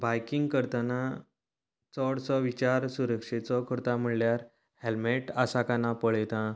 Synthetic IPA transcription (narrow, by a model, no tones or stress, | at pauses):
bajkiŋɡkəɾt̪ana | t͡sɔɽt͡sɔʋit͡ɕaɾsuɾəkʂet͡sɔkʰəɾt̪am̤əɭljaɾ | helmeʈasakanapəɭet̪ã